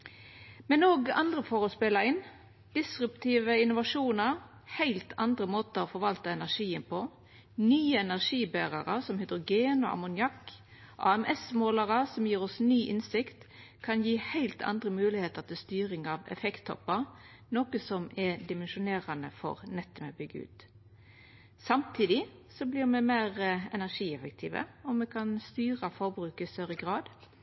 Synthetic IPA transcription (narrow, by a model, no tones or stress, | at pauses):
mɛnoːɡɑ̰nd̪ʁəfɔɾɔspɛləɾɪn | d̪̥ɪsɾʉpt̪ʰiːʋəɪnʊʋɑʂuːnɑɾ | hæɪlt̪ʰɑnd̪ɾəmoːt̪əɾɔfɔɾʋɑlt̪əɛnæʁʂiːənpʰɔ | nyːəɛnæʁʂiːbæːʁɑɾəsɔmhʏd̪ɾʊɡeːnɔ̰ʔɑ̰mʊnjɑkː | ʔɑ̰ːɛmʔɛsmoːlɑʁəsɔmjiːɾɔsnyːʔɪnsɪkt̪ | kʰɑnjiːhæɪlt̪ʰɑ̰nd̪ʁəmʉːlɪheːt̪əʁt̪ʰɪst̪yːʁɪŋɑʋɛ̰fɛkt̪ʰːɔ̰pːɑ | noːkəsɔmɛd̪ɪmɛnʃʊneːɾɑnəfɔ̰ɾnɛt̪ːɔmɛ̰bʏɡːəʉ̰ːt̪ | sɑmt̪ʰiːd̪ɪsɔblɪʁmɛmeɪʁɛnæʁʂiːɛfək̚t̪ʰiːʋə̰ɔmmɛkʰɑnst̪yːʁəfɔʁbɾʉːkɪst̪œɾəɡʁɑːd̪